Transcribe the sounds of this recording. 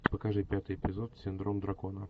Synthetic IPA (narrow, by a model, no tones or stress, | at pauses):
pəkɐʐɨpʲat̪ɨjɪpʲɪzo̞t̪sʲɪnd̪ɾo̞md̪ɾɐko̞nə